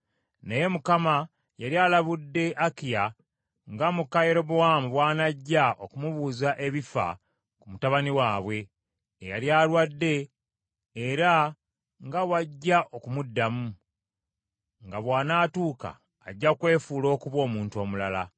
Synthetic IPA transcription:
neje̞mukama | jaɾjalaβudːe̞ʔakija | ŋɡamukajeɾo̞bowamuβwaːnaɟːaʔokumuβuːzaʔe̞βifa̰ | kumutaβaniwaːβwe̞ː | ja̰ljaːlwadːe̞ː | ɾa | ŋɡawaɟːaʔo̞kumudːamu | ŋɡaβwaːnaːtuːka̰ː | ɟːakwe̞ːfuːlo̞ːkuβwo̞ːmuːntuoːmulala

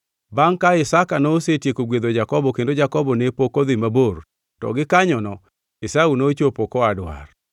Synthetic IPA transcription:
baŋkaɪsakanoːsetjekoɡwed̪od͡ʒakɔbɔkendod͡ʒakɔbɔnepokoðɪmabor | tɔ̰ɡɪkaɲɔnɔ | ɪsaunot͡ʃopokɔadwa̰r

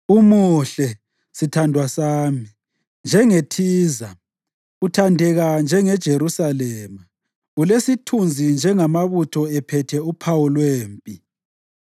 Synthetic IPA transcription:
umuɬɛ | sitʰandʱwasaːmi | nd͡ʒʱɛŋetʰiːza | utʰandʱɛɣand͡ʒʱɛŋɛd̥ʒ̥ʱeɾusalɛːma | ulesitʰund͡zʱind͡ʒʱɛŋamaβutʰɔɛpʰɛtʰɛupʰawulweːmpʼi

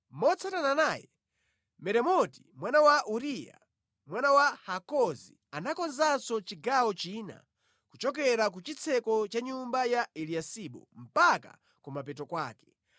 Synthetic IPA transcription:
mɔt͡sʰatananajɛ | mɛɾɛmɔtimwanawaʔuɾija̰ | mwanawahakɔzḭ | anakɔnzasɔt͡ʃiɡawɔt͡ʃiːna̰ | kut͡ʃɔkɛɾak̬ut͡ʃit͡sʰɛkɔt͡ʃaɲumbajaɛliasiɓɔ̰m̩paka̰ | kumapɛtɔkwa̰ːkɛ̥

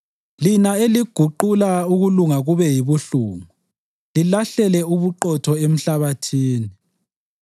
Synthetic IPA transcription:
linaeliɡ̥ʱuǃulauɣuluŋaɣuβɛjiβuɬuːŋu | lilaɬɛlɛuβuǃɔtʰɔem̩ɬaβatʰiːni

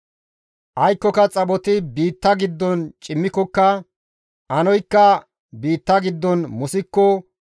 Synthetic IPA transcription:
ʔɐjkːɔkɐt͡sʼɐbɔt̪ɪbiːt̪ːɐɡɪd̪ːɔnt͡ʃʼɪmːɪkɔkːɐ | ʔɐnɔjkːɐ | biːt̪ːɐɡɪd̪ːɔnmʊsɪkːɔ

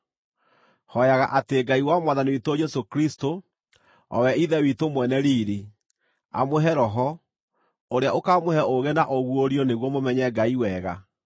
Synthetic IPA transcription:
hɔjaɣaʔateɡaiwamwaðaniwitod͡ʒɛsokɾisto | ɔ̰wɛiðɛwitomwɛnɛɾiːɾi | a̰moɦɛɾɔɦɔ | oɾeaokamohɛʔoɣenaʔoɣwoɾiɔneɣwɔmomɛɲɛɡaiwɛːɣa

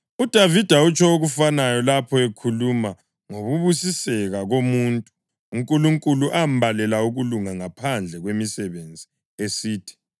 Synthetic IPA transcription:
ud̥ʱavid̥ʱaut͡ʃʰʼɔoɣufanajɔlapʰɔekʰuluma | ŋoβuβusisɛɣaɣomuːntʼu̥ː | ŋkʼuluŋkʼuluʔam̩balɛlauɣuluŋaŋapʰand͡ɮʱɛɣwemisɛβend͡zʱi | esiːtʰi̥

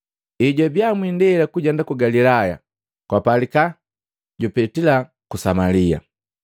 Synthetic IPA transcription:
iɟabjamwindɛlakuɟɛndakuɡalilaja̰ | kwapalika | ɟupɛtila | kusamalia̰

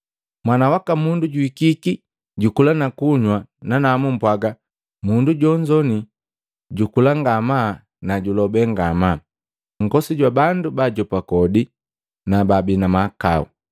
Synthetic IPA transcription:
mwanawakamunduɟuikiki | ɟukulanakuɲwananamum̩pwaɡa | munduɟɔɲd͡ʒɔni | ɟukulaŋɡama | naɟulɔbɛŋɡama | ŋ̩ɡɔsiɟwabandubaɟɔpakɔdi | nababinamakaṵ

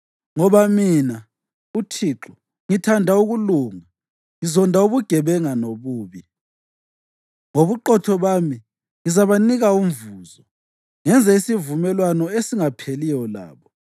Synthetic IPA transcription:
ŋɔβamiːna | utʰiːǁu | ŋitʰandʱauɣuluŋa | ŋizɔndʱauβuɡ̥ʱɛβɛŋanoβuːβi | ŋoβuǃɔtʰɔβaːmi | ŋizaβaniɣaumɱvuːzɔ | ŋɛnd͡zʱaisivumɛlwanɔesiŋapʰelijɔla̰ːβɔ

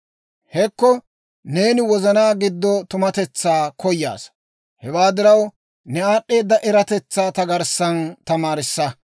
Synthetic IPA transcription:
hɛkːɔ | ne̞ːnɪwɔzɐnaːɡɪd̪ːɔt̪ʊmɐt̪ɛt͡sːaːkɔjːa̰ːs | hɛwaːd̪ɪɾɐw | nɛaːɗːe̞ːd̪ːɐʔɛɾɐt̪ɛt͡sːaːt̪ɐɡɐɾsːɐnt̪ɐmaːɾɪsːɐ

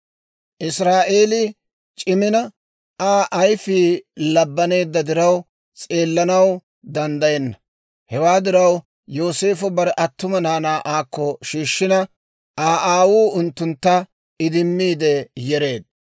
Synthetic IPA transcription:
ʔɪsɾaːʔe̞ːlɪ | t͡ʃʼɪmɪnɐ | aːʔɐjfiːlɐbːɐne̞ːd̪ːɐd̪ɪɾɐw | t͡sʼe̞ːlːɐnɐw | d̪ɐnd̪ɐjɛnːɐ | hɛwaːd̪ɪɾɐw | joːse̞ːfɔbɐɾʔɐt̪ːʊmɐnaːnaːʔaːkːɔʃiːʃːɪnɐ | ʔaːʔaːwuːʊnt̪ːʊnt̪ːɐ | ɪd̪ɪmːiːd̪ɛjɛɾe̞ːd̪̚

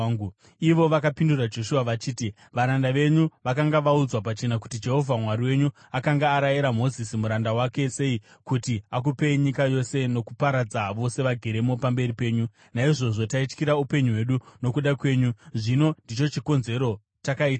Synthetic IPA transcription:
iʋo̞ʋakapindurad͡ʒo̞ʃuaʋat͡ʃiːti | ʋaɾandaʋe̞ɲuʋakaŋɡaʋaud͡zwapat͡ʃe̞naku̥tid͡ʒe̞ɦo̞vʱamwaɾiwe̞ɲu | akaŋɡaːɾajiɾamo̞zisimuɾandawake̞se̞i | kutiak̬upeɲikajo̞se̞no̞kupaɾad͡zaʋo̞se̞ʋaɡʱe̞ɾe̞mo̞pambe̞ɾipe̞ːɲu | naiʐo̞ʐo̞tait͡ʃkiɾaupe̞ɲuwe̞ɗuno̞kuɗakwe̞ːɲuʐino̞ndit͡ʃo̞t͡ʃiko̞nze̞ɾo̞ | takaiːtaa

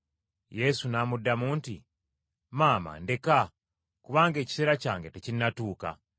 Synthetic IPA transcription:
je̞sunamudːamuːntḭ | maːma̰nde̞ka | kuβaːŋɡe̞ːci̥seɾacaːŋɡe̞tecinːatuːka̰

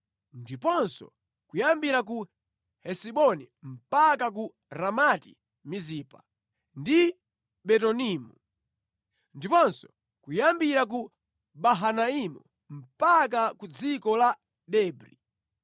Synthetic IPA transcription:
ndipɔnsɔ̰ | kujambiɾaku | hɛsiɓɔni | m̩pakak̬u | ɾamatḭ | mizipa | ndi | bɛtɔniːmu | ndipɔnsɔ̥ | kujambiɾak̬u | baɦanaimṵ | m̩pakakud͡zikɔla | ɗɛːbɾḭ

